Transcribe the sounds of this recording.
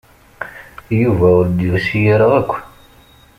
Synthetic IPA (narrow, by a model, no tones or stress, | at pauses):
juvæʊɾd̪ivæsijiɾəʁækʷːn